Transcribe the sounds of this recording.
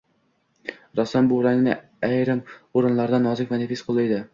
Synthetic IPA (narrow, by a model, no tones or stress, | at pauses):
ɾɒsambʊɾaŋnɪ | æjɾɪmoɾɪnlˠaɾd̪anːɒzɪkʲmanefesqʰolˠajd̪ɪ